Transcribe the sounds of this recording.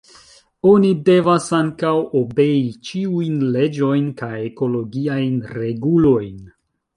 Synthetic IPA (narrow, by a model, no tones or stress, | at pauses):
o̞nide̞vasaŋkawobe̞it͡ʃiujnle̞d͡ʒo̞jnkajeko̞lo̞ɡiajnɾe̞ɡulo̞jn